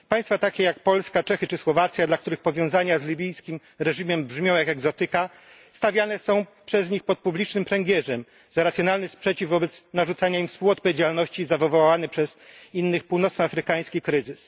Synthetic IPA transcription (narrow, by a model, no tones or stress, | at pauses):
paj̃st̪fat̪akʲɛjakpɔlskat͡ʂɛxɘt͡ʂɘswɔvat̪sʲjad̪lakt̪uɾɘxpɔvʲjɔ̃w̃zaɲazlʲibʲijskʲim | ɾɛʐimɛmbʐmʲjɔ̃w̃jakɛɡzɔt̪ɘka | st̪avʲjanɛsɔ̃w̃pʂɛzɲixpɔt̪̚publʲit͡ʂnɘmpɾɛŋɡʲjɛʐɛm | zaɾat̪sʲjɔnalnɘspʂɛt͡ɕivvɔbɛt̪snaʐut̪saɲaimfspuɔt̪̚pɔvʲjed͡ʑalnɔɕt͡ɕizavvɔwawanɛpʂɛz̥inːɘxpuwnɔt̪snɔafɾɘkaj̃skʲikɾɘzɘs